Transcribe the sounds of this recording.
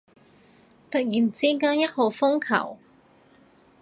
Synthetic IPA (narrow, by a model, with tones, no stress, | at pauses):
t̪ɐ˨k̚jiː˨˩nt͡siː˥kaː˥njɐ˥t̚ho˨˧wfʊ˥ŋkʰɐ̰˨˩w